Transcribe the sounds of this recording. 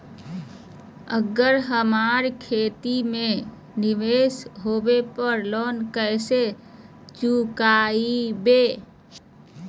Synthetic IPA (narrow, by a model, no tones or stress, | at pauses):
əɡəɾɦəmaɾkʰeːt̪imẽ | nɪʋesɦobepəɾloːnkəɪse | t͡ʃukaibe